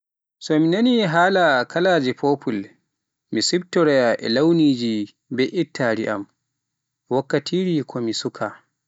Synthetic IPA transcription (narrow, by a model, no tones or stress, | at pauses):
sɔminaniɦaːlakʰalaːd͡ʒɛpopʰul | misibtːɔɾɛjaʔɛ̰lawniːd͡ʒi | bɛʔitʰːaɾiʔa̰m | wakːatʰiːɾikʰɔmisukʰa